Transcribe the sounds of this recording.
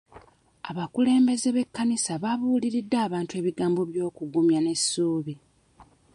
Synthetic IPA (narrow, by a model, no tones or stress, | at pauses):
a̰βakule̞ːmbe̞ze̞βe̞kːanisaβaβuːliɾidːaːβaːntue̞ːβiɡaːmbo̞βjo̞ːkuɡumjane̞sːuːβi